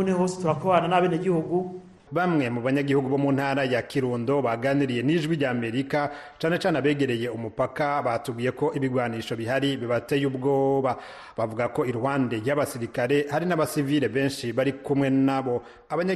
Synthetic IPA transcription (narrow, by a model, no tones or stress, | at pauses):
unehose̥tuɾakoβaːnanaβeːneɡihuɡu | βamŋe̞muβaɲaɡihuɡuβo̞munhaːɾajakiɾuːndo̞βaɡaniɾije̞niʒɡwiɟaːme̞ɾika | t͡ʃaːne̞t͡ʃaːneaβe̞ːɡe̞ɾe̞je̞umupakaβatuɡiːje̞ko̞ʔiβiɡwaːniʃo̞βiɦaɾiβiβatejub̚ɡo̞ːβa | βavuɡako̞iɾhwaːnde̞ɾjaβasiɾikaɾe̞haɾinaβasiviɾe̞βe̞ːnʃiβaɾikumŋe̞naβo̞ | aβaɲa